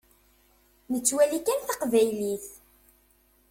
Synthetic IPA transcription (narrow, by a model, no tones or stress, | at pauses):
nət͡sːwælikænθɑqvæjliθ